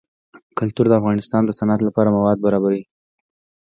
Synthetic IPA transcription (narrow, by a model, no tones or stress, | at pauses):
kʊlt̪uɾd̪əafɣɑnɪst̪ɑnd̪əsanat̪lapɑɾamawɑd̪̚baɾɑbaɾi